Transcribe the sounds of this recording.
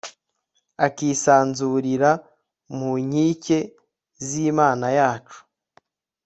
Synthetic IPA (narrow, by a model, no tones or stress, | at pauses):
akisaːnzuɾiɾa | muɲiːce̞ | ziːmaːnajaːt͡ʃu̥